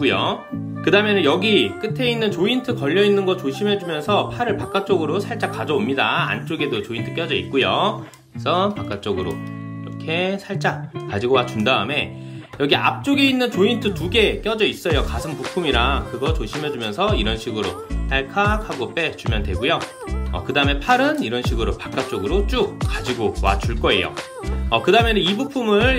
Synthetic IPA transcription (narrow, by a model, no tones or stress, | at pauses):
kujo̰ | kɯdamjenɯnjʌɡik͈ɯtʰe̞inːɯnt͡ɕointʰɯkʌʎːʌinːɯnɡʌt͡ɕoɕʰimɦe̞d͡ʑumjʌnsʰʌpʰaɾɯɭpak͈ak̚t͡ɕ͈oɡɯɾosʰaɭt͡ɕ͈akad͡ʑʌomɲidaa̰nt͡ɕ͈oɡe̞dot͡ɕointʰɯ̥k͈jʌd͡ʑʌḭt̚k͈ujo | esʰʌpak͈ak̚t͡ɕ͈ʌɡɯɾo̰iɾʌ̰kʰe̞sʰaɭt͡ɕ͈akad͡ʑiɡowat͡ɕundaɯme̞jʌɡiʔap̚t͡ɕ͈oɡeinːɯnt͡ɕointʰɯtuɡe̞k͈jʌd͡ʑʌis͈ʌjokasʰɯnpupʰumiɾakɯɡʌt͡ɕoɕʰimɦed͡ʑumjʌnsʰʌiɾʌnɕʰiɡɯɾot͈aɭkʰakʰhaɡop͈e̞t͡ɕumjʌndwe̞ɡujo | ʌ̰kɯdaɯme̞pʰaɾɯniɾʌnɕʰiɡɯɾopḁk͈̚ak̚t͡ɕ͈oɡɯɾot͡ɕ͈uk̚k͈ad͡ʑiɡowa̰t͡ɕuɭk͈ʌe̞̰jo̰ | ʌkɯdaɯmenɯibupʰumɯɭ